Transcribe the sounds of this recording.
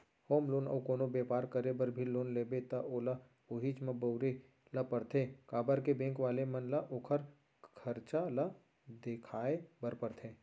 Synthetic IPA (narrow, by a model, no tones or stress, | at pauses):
hoːmloːnɐ̰ːkoːnobeːpaːɾkəɾebəɾbʱiloːnleːbet̪ɐʔoːla | oɦit͡ʃmɐ̃bɐʊɾe | lɐpəɾt̪ʰekaːbəɾkebẽːŋkʋaːlemɐnlaʔoːkʰəɾ | kʰəɾt͡ʃala | d̪ekʰaːebəɾpəɾt̪ʰeː